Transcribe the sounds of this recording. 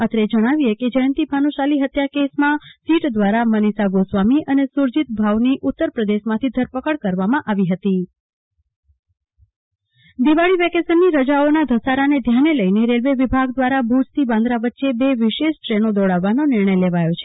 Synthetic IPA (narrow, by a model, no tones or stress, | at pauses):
ət̪ɾed͡ʒəɽ̃aʋieked͡ʒəjənt̪ibʰʱanuʃaliɦət̪jakesmãsiʈd̪ʋaɾamənisaɡosʋamiʔənesuɾd͡ʒit̪̚bʱaʋniʔut̪ːəɾpɾəd̪eʃmãt̪ʰid̪ʱəɾpəkəɭkəɾʋamãʔaʋiɦət̪i | d̪iʋaɭiʋɛkesənːiɾəd͡ʒaonad̪ʱəsaɾaned̪ʱjaneləineɾelʋeʋibʱaɡd̪ʋaɾabʱud͡ʒt̪ibãnd̪ɾaʋətːʃebeʋɪʃeʃʈɾenod̪ɔɭaʋːanonɪɾɳəjleʋajot͡ʃʰe